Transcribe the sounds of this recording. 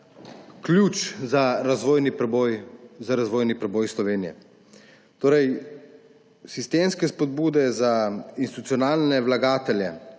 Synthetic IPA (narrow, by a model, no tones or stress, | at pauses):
klʲjuːt͡ʃzaɾazʋojnipɾɛbojzaɾazʋoːjnipɾɛboːjslɔʋeːnijɛ̰ | t̪oːɾɛj | sist̪eːmskɛspɔd̪buːd̪ɛzainst̪it̪ut̪sijɔnaːlnɛʋlaɡaːt̪ɛljɛ̰